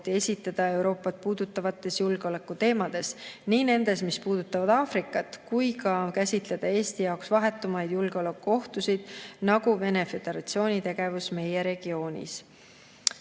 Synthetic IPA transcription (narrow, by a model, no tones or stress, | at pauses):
t̪ːie̞sʲit̪ːˑɑd̪̥ɑe̞wɾo̞ːpːˑɑt̪̚puːd̪̥ut̪ːˑɑvɑt̪ːˑe̞sjulɡ̥eo̞lekːˑut̪e̞ːmɑd̪̥e̞sniːne̞nd̪̥e̞smispuːd̪̥ut̪ːˑɑvɑd̪̥ɑːfrikːˑɑt̪kujkɑkæsʲit̪le̞d̪̥ɑe̞ːst̪ijɑwksvɑɦe̞t̪ːˑumɑjd̪̥julɡ̥eo̞le̞kːuo̞ht̪usid̪̥nɑɡuve̞ne̞fe̞d̪̥e̞ɾɑt̪sio̞ːnʲit̪e̞ɡ̥e̞vusme̞je̞ɾe̞ɡ̥io̞ːnʲḭs